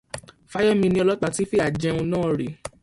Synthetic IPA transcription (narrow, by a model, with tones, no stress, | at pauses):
fa˦jɔ˦mĩ˧nĩ˦ɔ˧lɔ˦k͡pa˧ti˦fe˦a˨d͡ʒɛ̃˧ũ˧nãː˦˧ɾe˨